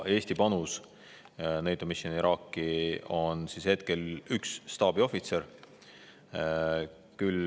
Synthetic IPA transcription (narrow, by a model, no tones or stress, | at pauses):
e̞ːsʲt̪ipɑnus | nejd̪omisjoniɾʔɑːkːˑio̞nsishe̞t̪̚ke̞lyksːt̪ɑːb̥io̞fit̪se̞ɾ | kyl